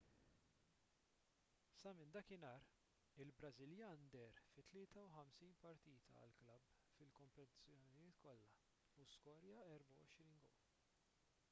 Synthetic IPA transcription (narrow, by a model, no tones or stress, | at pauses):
sɐmɪnd̪ɐkɪnɐːɾ | ɪlbɾɐzɪljɐnd̪ɛɾfɪt̪ːlɪːt̪ɐwħɐmsiːnpɐɾt̪iːt̪ʰɐ̰ɐ̰lklɐbː | fɪlkɔmpɛt̪ɪ̥t͡sjɔnɪjɪːt̪kɔlːɐ | uskɔːɾjɐɛɾbɐwɔʃɾiːnɡɔ